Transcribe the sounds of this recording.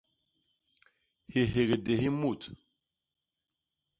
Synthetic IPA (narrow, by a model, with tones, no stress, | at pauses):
hi˨ɦe˨ɡe˨de˨hi˦mu˦˨t